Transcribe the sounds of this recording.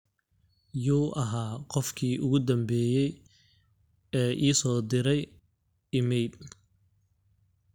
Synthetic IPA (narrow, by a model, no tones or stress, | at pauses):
juːʔɐɦaːqɔfkʰiːʔʊɣʊd̪ɐmbɛːjɛj | ɛːʔiːsɔːd̪ɪɾɛj | ɪmɛjb